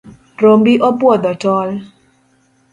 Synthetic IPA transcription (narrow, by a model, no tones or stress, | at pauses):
rombiʔopwɔd̪ɔtɔl